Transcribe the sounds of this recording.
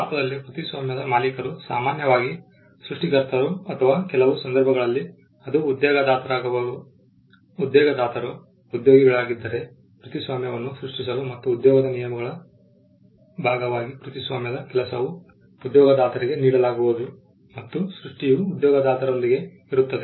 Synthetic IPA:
aːt̪ɐd̪ɐlːipɾut̪isʋaːmjɐd̪ɐmaːlikɐɾusaːmaːnjɐʋaːɡi | sɾuʂʈikɐɾt̪ɐɾuɐt̪ʰɐʋaːkɛlɐʋusɐnd̪ɐɾbʱɐɡɐɭɐlːi | ɐd̪uːd̪jɔːɡɐd̪aːt̪ʰɐɾaːɡɐʋɐu | ud̪jɔːɡɐd̪aːt̪ʰɐɾu | ud̪joːɡiɡɐɭaːɡid̪ːɐɾe̞ | kɾut̪isʋaːmjɐʋɐnːusɾuʂʈisɐlumɐt̪ːuːd̪jɔːɡɐd̪ɐnijɐmɐɡɐɭɐ | bʱaːɡɐʋaːɡikɾut̪isʋaːmjɐd̪ɐkɛlɐsɐʋu | ud̪jɔːɡɐd̪aːt̪ɐɾiɡe̞niːɽɐlaːɡubud̪u | mɐt̪ːusɾuʂʈijuːd̪jɔːɡɐd̪aːt̪ɐɾolːiɡe̞ | iɾut̪ːɐd̪e

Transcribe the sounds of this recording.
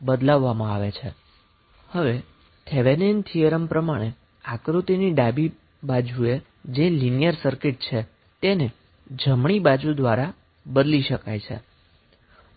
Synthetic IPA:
bəd̪laʋːamãaʋet͡ʃʰe | həʋe | t̪ʰeʋenent̪ʰijəɾəmpɾəmaɽ̃e | akɾut̪iniɖabi | bad͡ʒue | d͡ʒelinijəɾsəɾkɪʈ̚t͡ʃʰe | t̪ene | d͡ʒəmɳ̃ibad͡ʒud̪ʋaɾa | bəd̪liʃəkajt͡ʃʰḛ

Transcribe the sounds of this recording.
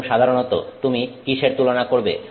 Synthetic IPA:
ʃad̪ʱaɾonot̪o̰t̪umikiʃeɾt̪ulonakoɾbḛ

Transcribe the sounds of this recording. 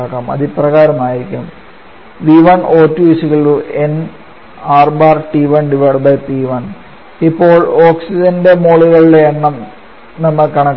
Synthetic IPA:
akːaːmɐ̰ðiprɐɣaːɾɐmaːjiɾikʲːum | ʋiʋɐnoːtːuisiɣɐɭuen | aːrbaːrʈiʋɐɳɖiʋɐɽbɐjpiʋɐn | ipːo̞ːɭoːksid͡ʑɐndemoːɭiɣɐɭileːɳːɐm | nɐmːɐkɐɳɐkː

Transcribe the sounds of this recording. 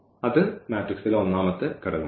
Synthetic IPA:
ɐðɨmaːʈriksilonːaːmɐt̪ːɨkɐɽɐðu

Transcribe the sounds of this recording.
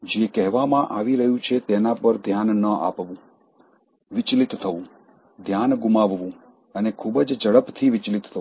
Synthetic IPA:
d͡ʒekɛɦʋamãʔaʋiɾəɦjũt͡ʃʰet̪ɛnapəɾd̪ʱjanːəʔa̰pʋũ | ʋɪt͡ʃlɪt̪ːʰəʋũ | d̪ʱjanɡumaʋʋũ | ənekʰubd͡ʒd͡ʒəɽəpt̪ʰiʋɪt͡ʃlɪt̪ːʰə̃

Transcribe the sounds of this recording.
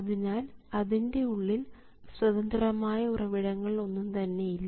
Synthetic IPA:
ɐðinaːlɐðinde̞uɭːil | swɐðɐnd̪ɐɾɐmaːjɐurɐʋiɽɐŋːɐɭo̞nːumt̪ɐnːe̞jilːɐ

